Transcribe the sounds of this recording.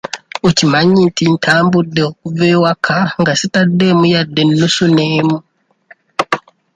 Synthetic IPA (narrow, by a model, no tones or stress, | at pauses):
ocimaɲintintʰaːmbudeokuvewakʰaŋɡasitademujadːenːusuneːmu